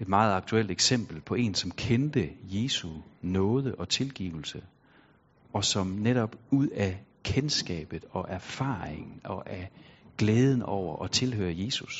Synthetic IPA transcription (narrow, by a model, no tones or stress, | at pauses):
e̝d̥mɑ̈ːð̞̩ˠɑ̈ɡ̥̚t͡sʰuel̰d̥eɡ̥sem̰b̥l̩pʰɒ̽e̝̰nsɒ̽mkʰend̥əje̝ːsunɔ̽ːð̞ˠəʔɒ̽t͡sʰe̝lɡ̥iːʊl̩sə | ɒ̽sɒ̽mneɾ̥ɒ̽b̥uð̰ˠækʰensɡ̥ɛ̰ːb̥ð̩ˠɒ̽ʔæɐfɑ̰̈ːeŋn̩ɒ̽ʔæɡ̥leːð̞ˠn̩ɒʊ̰ɐʔɒ̽t͡sʰe̝lhø̰ːɐje̝ːsus